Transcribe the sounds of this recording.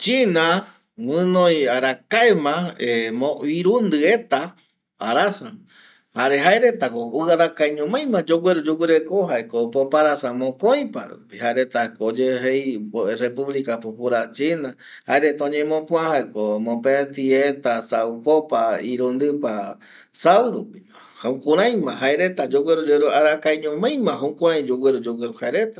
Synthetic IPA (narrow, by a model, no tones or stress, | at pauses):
t͡ʃinã | wɨ̃nõjaɾakaemãemõiɾund̪ɨe̞t̪a | aɾasa | haɾeɦaeɾe̞t̪akoɨaɾakajɲõmãj̃mãd͡ʒoɡʷweɾud͡ʒuɡʷɨɾekoɦaekopopaɾasamõkõj̃pa̰ɾṵpihaeɾet̪akod͡ʒeɦejrepuβlikapupuɾat͡ʃina | haeɾet̪aõɲẽmõpũãhaekomõpet̪iet̪asawpopaiɾond̪ɨpa | sawɾupi | haũkũɾãj̃mãɦaeɾe̞t̪ad͡ʒoɡweɾud͡ʒeɾuaɾakajɲõmãj̃mãɦõukʷũɾãj̃d͡ʒoɡwʷeɾud͡ʒowʷeɾuhaeɾe̞t̪ḁ